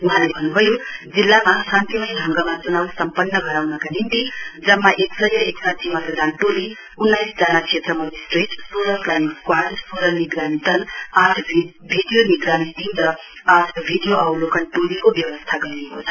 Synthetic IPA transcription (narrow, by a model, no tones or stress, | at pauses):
uɦãlebʱʌnːubʱʌjod͡zilːamasant̪imʌjɦʌŋɡʌmat͡sunawsʌmpʌnːʌɡʱʌɾawnʌkanint̪id͡zʌmːaʔeksʌjʌeksat̪ʰimʌt̪ʌd̪ʱanʈoli | unːajsd͡zanakʰet̪rʌmʌnisʈreʈsoɾʌklanikkwaɖsoɾʌniɡɾʱant̪ʌnatʰ | bʱiɖijoniɡɾanit̪imɾʌ | at̪ʰbʱiɖijoʔawlokʌnʈolikobjʌwʌst̪ʰaɡʌɾiekot͡sʰʌ̥